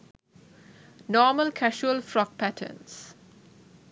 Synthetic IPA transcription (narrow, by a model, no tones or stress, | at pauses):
nɔːməlkʰæʃuəlfɾɔk̚pæʈʰə̰ns